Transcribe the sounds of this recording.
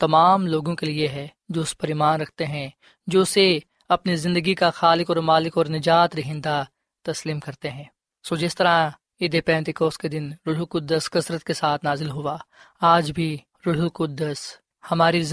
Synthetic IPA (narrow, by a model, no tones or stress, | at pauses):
t̪ɐmaːmloːɡõkelieɦɛ | d͡ʒoːʊspɐɾiːmaːnɾɐk̚ʰt̪eɦɛ̃ | d͡ʒoːse | ɐpnizɪ̃nd̪əɡikaxaːlɪkɔːɾmaːlɪkɔːɾnɪd͡ʒaːt̪ɾɐɦɪ̃nd̪a | t̪ɐsliːmkɐɾt̪eɦɛ̃ː | soːd͡ʒɪst̪ɐɾã | ɪd̪epɛ̃ːnt̪ɪkoːsked̪ɪnɾʊɽukʊd̪ːəskɐsɾət̪̚kesaːt̪ʰnaːzɪlɦʊaː | aːd͡ʒbʱi | ɾʊɽ̤ukʊd̪ːəs | hɐmaːɾi